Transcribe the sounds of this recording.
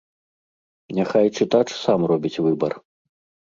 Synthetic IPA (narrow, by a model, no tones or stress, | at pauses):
nʲaxajt͡ʂɨt̪at͡ʂsamrɔbʲit͡sʲvɨbɐr